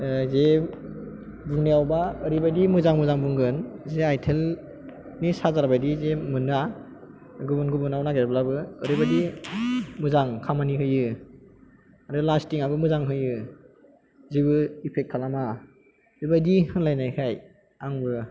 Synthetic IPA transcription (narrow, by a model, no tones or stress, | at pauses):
ze | buŋnijawbaɯɾibadimɯzaŋmɯzaŋbɯŋɡɯnzeajtʰel | nisazaɾabajdizemɯnɯa | ɡubunɡubɯnawnaɡeɾblabɯːɾibadi | mɯzaŋkʰamaniɦɯjɯ | aɾɯlastiŋabɯmɯzaŋɦɯjɯ | ziβɯipʰek̚kʰːalama | ɾibajdihɯnlajnajkʰaj | aŋbɯ